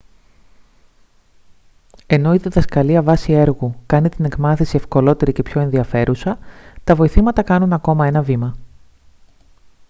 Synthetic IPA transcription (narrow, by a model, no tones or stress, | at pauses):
e̞no̞iðiðɐskɐliɐvɐsie̞ɾɣukɐnit̪ine̞kmɐθisie̞fko̞lo̞t̪e̞ɾice̞pço̞e̞nðiɐfe̞ɾusɐt̪ɐvo̞iθimɐt̪ɐkɐnunɐko̞mɐe̞nɐvimɐ